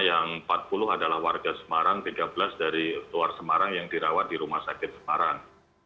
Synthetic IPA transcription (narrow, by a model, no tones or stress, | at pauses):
jaŋpat̪̚pulʊɦadalahwarɡasə̥maɾaŋt̪iɡabəlasdaɾiluarsəmaɾaŋjaŋdiɾawat̪̚diɾumahsakɪt̪̚sə̥maɾaŋ